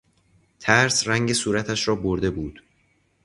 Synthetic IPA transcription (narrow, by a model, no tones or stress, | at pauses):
t̪ʰæɾsræŋɟe̞suːɾæt̪ʰæʃɾɒːboɾd̪e̞buːd̪̥